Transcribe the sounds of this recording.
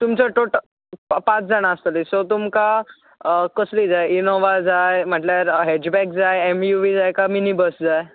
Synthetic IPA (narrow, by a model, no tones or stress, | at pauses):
t̪umt͡səʈoʈ | pat͡sd͡zaɽ̃aːst̪əlisɔt̪̬umka | kəslid͡zajinoʋad͡zajm̤əʈljaɾɦed͡ʑbɛkd͡zajemjuʋid͡zajkaminibəsd͡zaj